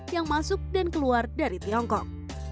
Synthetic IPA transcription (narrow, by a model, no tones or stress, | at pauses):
jaŋmasʊk̚dankəluardaɾit̪iɔŋkɔk̚